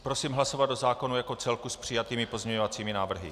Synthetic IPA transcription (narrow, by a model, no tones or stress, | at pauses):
pɾo̞siːmɦlaso̞vad̪dozaːko̞nujako̞t͡sɛlkuspr̝̥ɪjat̪iːmɪpo̞zɲɛɲovat͡siːmɪnaːvr̩ɦɪ̰